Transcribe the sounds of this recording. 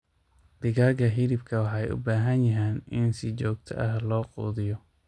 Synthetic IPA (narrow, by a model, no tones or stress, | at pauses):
d̪̥ɪɣaːɡɐɦɪðɪbkʰɐwɑħɑjʊ̰baːɦɐnjɐɦɛːnɪnsɪt͡ʃɔːɡt̪ʰɐ̰ʔɐhlɔːqṵːðɪjɔ